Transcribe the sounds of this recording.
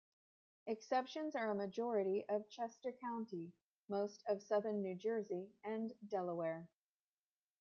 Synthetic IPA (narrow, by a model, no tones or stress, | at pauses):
ɨksɛpʃɨ̃nzə˞əmɨd͡ʒɔɹɨɾiʔʌv̥t͡ʃʰɛstə˞kʰãʊ̃nti | moʊstʰʌv̥sʌðə̃˞nːʉd͡ʒɜ˞ziɨ̃ndɛlˠəwɛɹ